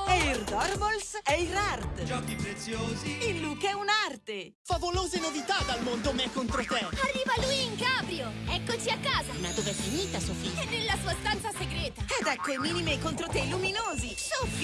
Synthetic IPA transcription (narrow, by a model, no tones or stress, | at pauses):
ɛird̪ɔrvolsɛirart̪d͡ʒɔkːipɾet̪sjoːziilːukɛunart̪e | favoloːzenovit̪ad̪almond̪omeɛkːont̪ɾot̪ɛarːiːvalujiŋkaːbɾjoɛkːot͡ʃiakːaːzaunad̪ovɛfːiniːt̪asuafiɲːɛnːelːasuːast̪ant̪saseɡɾɛːt̪aɛd̪ɛkːoɛmiːnimekːont̪ɾot̪ɛiluminoːzisub